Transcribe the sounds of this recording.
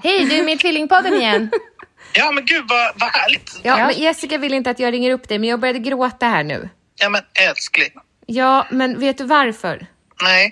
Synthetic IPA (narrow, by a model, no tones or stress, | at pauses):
hɛjd̪ɵɛɾmɪnt̪ʰvɪlːɪŋpʰɔd̪ːənɪjɛnː | jɑːmɛnɡʉ̟ːd̪vavahæːɭɪɡt̪jɑːmɛnjɛsɪkavɪlːəɪnt̪əat̪jɑːɡɾɪŋːəɾɵpːd̪ɛjmɛnjɑːɡ̚bœɾjad̪əɡɾoːt̪ahæːɳʉ̟̰ː | jɑːmɛnɛlsklɪ | jɑːmɛnveːt̪̚d̪ɵvaɾfœ̰ɾ | nɛ